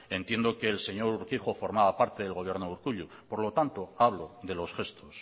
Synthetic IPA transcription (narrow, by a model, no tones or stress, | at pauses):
e̞nt̪je̞nd̪o̞ke̞ːlse̞ɲo̞ɾuɾkiχo̞fo̞ɾmaβapaɾt̪e̞ðelɣo̞β̞je̞ɾnouɾkuʎu | po̞ɾlo̞t̪ant̪o̞aβ̞lo̞ðe̞lo̞sxe̞st̪os